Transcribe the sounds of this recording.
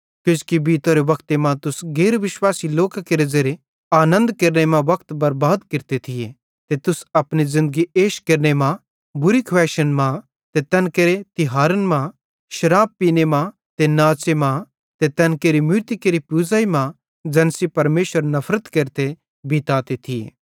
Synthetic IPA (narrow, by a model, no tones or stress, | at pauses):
kʊd͡ʒkibiːt̪oɾeʋɐkʰt̪emãt̪ʊsɡeːɾʋɪʃwaːsiloːkakeːɾed͡ʒeɾe | aːnə̃nd̪kɐɾnemãʋɐkt̪bɐɾbaːd̪kɪɾt̪et̪ʰɪje | t̪et̪ʊsɐpnizɪ̃nd̪əɡieːʃkɐɾnemã | bʊɾikʰwʋɛːʃənmã | t̪et̪ɛːnkeɾet̪ɪɦaːɾənmã | ʃɐɾaːbbpːiːnemã | t̪enaːt͡ʃemã | t̪et̪ɛːnkeɾimɪɾt̪ikeɾipuːzaːimã | d͡ʒɛːnsipɐɾmeːʃʋəɾnɐpʰɾət̪kɐɾt̪e | biːt̪aːt̪et̪ʰɪjḛː